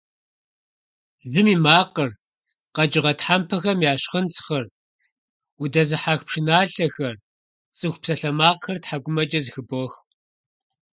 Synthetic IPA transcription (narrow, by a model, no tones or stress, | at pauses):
ʒɨmiːmaːqər | qɐd͡ʒɪʁɐtħaːmpʰɐxɐmjaːɕχənsxɐr | udɐzɨħaːxpʂɪnaːɬɐxɐr | t͡sʼɨxʷpsɐɬɐmaːqxɐrtħaɡʷʊmɐd͡ʒʼɐzxɨbɔx